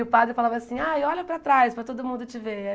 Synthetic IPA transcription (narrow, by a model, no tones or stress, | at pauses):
ɪʊpad̪ɾɪfalavɐasĩaewɔʎɐpɾɐt̪ɾajspɾɐt̪od̪ʊmũnd̪ʊt͡ʃɪve